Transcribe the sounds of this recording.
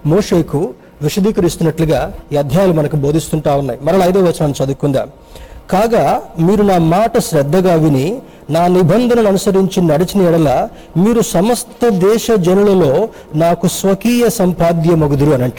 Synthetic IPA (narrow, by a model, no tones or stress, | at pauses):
moːʂe̞ːku | ʋiʂɐd̪iːkɐɾist̪unːɐʈluɡaːjɐd̪ʱjaːlumɐnɐkubo̞ːd̪ʱist̪uɳʈaːʋunːaːjmɐɾɐlɐjd̪eːʋɐt͡ʃːɐnaːnt͡ʃɐd̪ukːund̪a̰ː | kaːɡaːmiːɾunaːmaːʈɐʃɾɛd̪ːɐɡaːʋini | naːnibʱɐnd̪ʱɐnɐnuɐnusɐɾiɲt͡ʃinɐɽit͡ʃinɐɛɽɐlaː | miːɾusɐmɐst̪ɐd̪ɛːʃɐd͡ʒɐnɐlɐlo̞ː | naːkusʋɐkiːjɐsɐmpaːd̪jɐmoɡud̪uɾuɐnɐɳʈi̥